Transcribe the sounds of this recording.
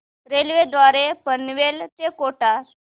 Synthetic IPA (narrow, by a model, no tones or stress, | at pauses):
ɾelʋed̪ʋaɾepənʋelt̪ekoʈa